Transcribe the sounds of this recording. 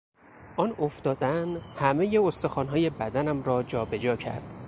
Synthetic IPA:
ʔɒːnoft̪ɒːd̪ænhæme̞jeost̪oxɒːnɦɒːje̞bæd̪ænæmɾɒːd͡ʒɒːbe̞d͡ʒɒːcʰæ̰ɾd̪̥

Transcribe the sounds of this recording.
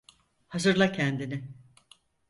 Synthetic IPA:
hazɯɾlˠacʰɛnd̪inɪ

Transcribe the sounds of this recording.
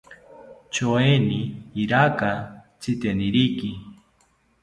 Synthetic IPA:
t͡ʃoeniːɾaka | t͡sʰit̪eniɾiki

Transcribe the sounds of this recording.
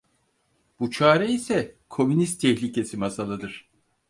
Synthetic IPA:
b̥ut͡ʃʰaːɾɛisɛkʰo̞mynist̪ʰɛçlʲicʰe̞simasalˠɯd̪ɯɾ̥

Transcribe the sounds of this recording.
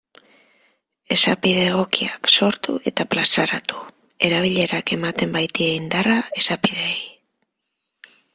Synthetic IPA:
e̞sapiðe̞ːɣ̞o̞kiakso̞ɾt̪ṵe̞t̪aplasaɾat̪u̥ | e̞ɾaβ̞iʎe̞ɾake̞mat̪e̞mbajt̪ieind̪arae̞sapiðe̞ːj

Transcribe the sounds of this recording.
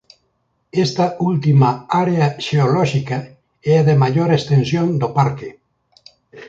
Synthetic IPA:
est̪ɐult̪imaaɾeaʃeolɔʃika | ɛaðemaʎoɾest̪ensjond̪opaɾke

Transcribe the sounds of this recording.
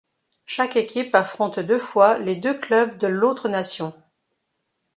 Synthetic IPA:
ʃakekʲipafχɔ̃t̪d̪øfwaled̪øklœb̚d̪əlot̪χənasjɔ̃

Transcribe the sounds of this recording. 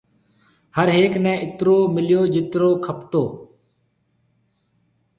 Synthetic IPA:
həɾɦeːknɛ̃ːʔɪt̪ɾoːmɪljoːd͡ʒɪt̪ɾoːkʰəpt̪oː

